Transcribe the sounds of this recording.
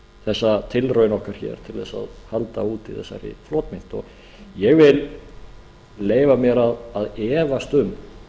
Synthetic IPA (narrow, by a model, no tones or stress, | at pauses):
θɛsːat̪ʰɪlɾœɥnɔhkaɾ̥çɛ̰ːɾ̥t̪ʰɪlðɛsa̰ðhalt̪auːt̪iθɛ̰sːaɾɪ̰floːt̪mɪn̥t̪ɔ̰ɣ | jɛɣvɪl | lːeːjvamjɛɾaðaðɛːvast̪ʏm